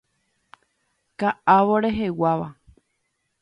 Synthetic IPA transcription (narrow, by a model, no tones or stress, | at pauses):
kaʔaʋoɾe̞ɦe̞waʋa